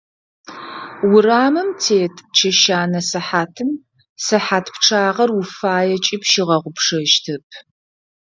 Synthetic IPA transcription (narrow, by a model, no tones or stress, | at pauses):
wʊɾaːmɨmtʰeːtʰʼt͡ʃʰɐʃaːnɐsɨħaːtʰɨm | sɨħaːtʰpʈ͡ʂʰaːʁɐrufaːjɛt͡ʃʼɪpʃɪʁɐʁʷʊpʂɐʃtʰɨp̚ʰ